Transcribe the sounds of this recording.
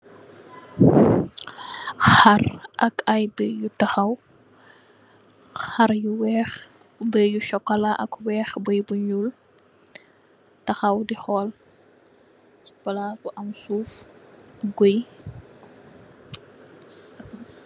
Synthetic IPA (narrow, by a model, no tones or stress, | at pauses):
xarʔɐkajbəjutɐxɐw | xɐɾjuwɛːx | bəjuʃɔkːɐlaʔɐ̰kwɛːxbəjbuɲul | tɐxɐwdixɔːl | t͡ʃi̥pɐlabuʔɐmsuːf | ɡoj